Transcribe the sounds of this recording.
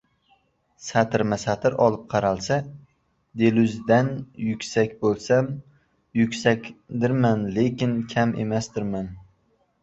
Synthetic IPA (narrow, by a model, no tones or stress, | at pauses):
sat̪ʰɪɾmasat̪ʰɪɾɒlˠɪp̚qʰɑɾalˠsa | d̪e̞lʊzd̪anjʊkʲsakʲbolˠsam | jʊkʲsakʲd̪ɪɾmanlekʲɪnkʲʰame̞̰masd̪ɪɾman